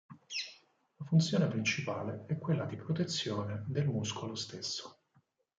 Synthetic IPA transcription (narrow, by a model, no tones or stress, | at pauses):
lafunt̪sjoːnepɾint͡ʃipaːleɛkːwelːad̪ipɾot̪et̪sːjoːned̪elmuskolost̪esːo̥